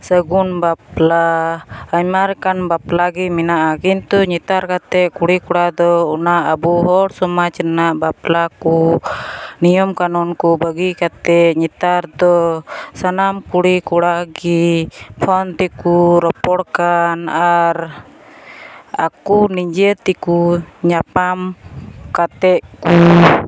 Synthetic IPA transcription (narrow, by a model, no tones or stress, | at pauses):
səɡunbaplaː | ɲmaɾkanbaplaɡimɛnaʔakint̪uɲit̪aɾkat̪ɛʔkuɽikuɽad̪ɔunaʔəbuɦɔɽsɔmat͡ʃənaʔbaplaku | nijɔmkanɔnkubəɡikat̪ɛɲit̪aɾd̪ɔsanamkuɽikuɽaɡipʰɔnt̪ikuɾɔpɔɽkanaɾ | a̰kunid͡ʒət̪ikuɲapamkat̪ɛʔku